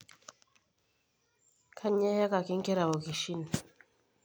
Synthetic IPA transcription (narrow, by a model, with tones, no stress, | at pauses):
kʰa˦ɲɛ˦ja˦ka˨ki˦ŋ˦kɛ˦ɾa˨βo˨ki˨ʃi˦ni˨